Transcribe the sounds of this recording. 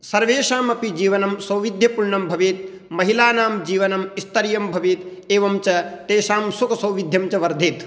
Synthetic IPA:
sɐɾʋeːʃaːmɐpid͡ʒiːʋɐnɐmsɐwʋid̪ʱjɐpuɭɳɐmbʱɐʋeːt̪̚ | mɐɦilaːnaːmd͡ʒiːʋɐnɐmist̪ɐɾjɐmbʱɐʋeːt̪ | eːʋɐmt͡ʃɐt̪eːʃaːmsukɐsɐwʋid̪ʱjɐmt͡ʃɐʋɐɾd̪ʱeːt̪

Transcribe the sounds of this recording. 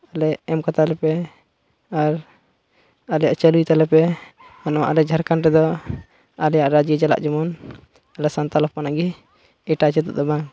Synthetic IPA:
alɛɛmkat̪alɛpɛ | aɾ | alɛjaʔt͡ʃəlujt̪alɛpɛ | anɔwa̰ʔalɛd͡ʒʱaɾkanɾɛd̪ɔ | alɛjaʔɾad͡ʒiəd͡ʒala̰ʔd͡ʒɔmɔn | alɛsant̪alɔppanaɡɛ | ɛʈat͡ʃɛt̪ɔ̰d̪ɔbaŋ

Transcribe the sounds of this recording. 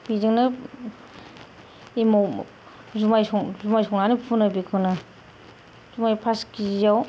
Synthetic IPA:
bizɯŋnɯ | imaw | zumajsɔŋzumajsɔŋnanipʰunɯbikʰɯnɯ | z̥umajpʰaskizaw

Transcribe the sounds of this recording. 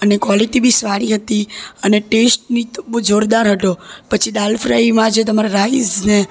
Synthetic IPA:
ənekʋaliʈibʱisʋaɽ̃iɦət̪iəneʈesʈ̚nid͡ʒoɾd̪aɾɦət̪opət͡ʃʰid̪alfɾaimãd͡ʒet̪̬əmaɾaɾaizne

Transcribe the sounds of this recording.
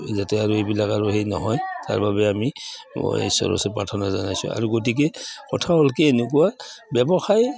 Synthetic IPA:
zatɛaɹuejbilakaɹuɦejnɔ̰ɦɔjta̰ɹbabɛami | ɔ̰ḛsɔ̰ɹɔ̰sɛpɹatʰɔnazanajsʊ̰a̰ɹuɡot̬ik̬ɛkɔtʰaɔlkɛːnek̬uwabjɛbɔxaj

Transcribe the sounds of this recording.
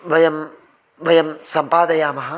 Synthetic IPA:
ʋɐjɐm | ʋɐjɐmsɐmpaːd̪ʱɐjaːmɐɦɐ

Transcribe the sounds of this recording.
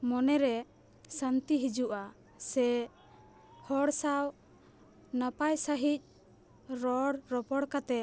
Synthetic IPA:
mɔnɛɾɛ | sant̪iɦid͡ʒuʔa | sɛ | hɔɽsaw | napajsaɦic̚ | ɾɔɽɾɔpɔɽkat̪ɛ

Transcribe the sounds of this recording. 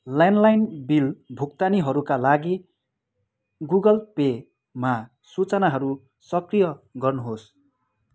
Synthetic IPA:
lanlajnbilbʱukt̪aniɦʌɾukalaɡi | ɡuɡʌlpe | ma | sut͡sʌnaɦʌɾu | sʌkrijʌɡʌrnuɦos

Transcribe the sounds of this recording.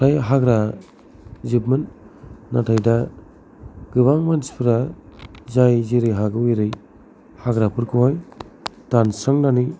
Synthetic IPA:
tʰajɦaɡɾa | zibmɯnna̰tʰajda | ɡ̥ɯβaŋmanspʰɯɾazajziɾɯjɦaɡɯwujɾɯj | haɡɾapʰɯɾkʰɯɦajtansɾaŋnani

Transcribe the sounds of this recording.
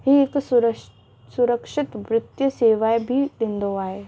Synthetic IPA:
ɦiːɪks | sʊɾəkʃɪt̪ʋɾɪt̪jəseːʋaːebʱiɗẽːn̆d̪oaːɦeː

